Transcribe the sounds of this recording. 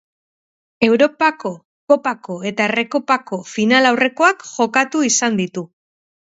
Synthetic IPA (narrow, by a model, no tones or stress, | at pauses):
e̞wɾo̞pako̞ | ko̞pako̞e̞t̪aere̞kopako̞finalawre̞ko̞akʝo̞kat̪uisand̪it̪u